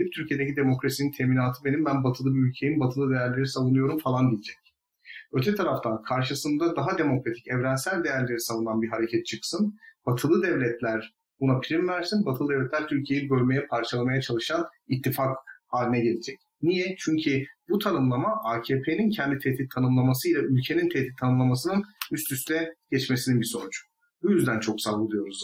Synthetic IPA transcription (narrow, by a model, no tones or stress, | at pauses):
ip̚t̪ʰyɾcʰijed̪e̞cʰid̪e̞mo̞kɾasinint̪ʰemiːnaːt̪ʰɯbe̞nimbænbat̪ʰɯlˠɯbiylʲcʰe̞jimbat̪ʰɯlˠɯd̪e̞jæɾlʲe̞ɾisavunɯjoɾumfalˠand̪ilʲid͡ʒɛc | øt̪ʰɛt̪ʰaɾaft̪ʰankʰaɾʃɯsɯnd̪ad̪aɦad̪e̞mo̞kɾat̪ʰicɛvɾænsælʲd̪e̞jæɾlʲe̞ɾisavunanbiɦaɾe̞cʰɛt̪̚t͡ʃʰɯksɯnb̥at̪ʰɯlˠɯd̪ɛvlʲɛt̪ʰlʲæɾ | bunapʰiɾimvæɾsinbat̪ʰɯlˠɯd̪ɛvlʲɛt̪lʲæɾt̪ʰylʲcʰijejibøɾʲme̞jɛpʰaɾt͡ʃʰalˠamajat͡ʃʰalˠɯʃanit̪ʰːifakhaːlʲinɛɟelʲid͡ʒɛc | nijɛt͡ʃʰyɲcʰibut̪ʰanɯmlˠamaʔaːcʰeːpʰenincʰɛnd̪it̪ʰɛht̪ːit̪ʰːanɯmlˠamasɯilʲˠaylʲcʰe̞nint̪ʰɛt̪ːit̪̚t̪ʰanɯmlˠamasɯnɯnyst̪ʰyst̪ʰɛɟ̥ɛt͡ʃme̞sininbiso̞nud͡ʒʊ̥ | bujyzd̪ænt͡ʃʰo̞ksavlˠɯd̪ˠɯjo̞ɾuz